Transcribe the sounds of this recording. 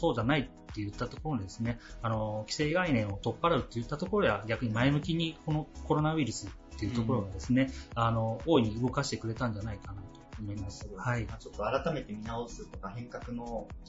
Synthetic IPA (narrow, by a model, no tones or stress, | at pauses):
so̞ːd͡ʑanait̪ːe̞jɯ̟t̪ːat̪o̞ko̞ɾo̞d̪ed̪esɨne̞ano̞kʲi̥se̞ːɡainẽ̞ɰ̃o̞t̪o̞pːaɾaɯ̟t̪ːe̞jɯ̟t̪ːat̪o̞ko̞ɾo̞d̪e̞βaɡʲakɯ̟ɲ̟imaemɯ̟kʲiɲ̟iko̞no̞ko̞ɾo̞naβiɾɯ̟sɨt̪ːe̞jiɯ̟t̪o̞ko̞ɾo̞ɡad̪e̞sɨne̞ano̞oːiɲ̟iɯ̟ɡo̞kaɕi̥t̪e̞kɯɾe̞t̪ãɲ̟d͡ʑanaikanat̪o̞ːmo̞imasɨ̥hait͡ɕot̪ːo̞aɾat̪ame̞t̪e̞mʲinaosɨt̪o̞kahẽ̞ŋkakɯ̟no̞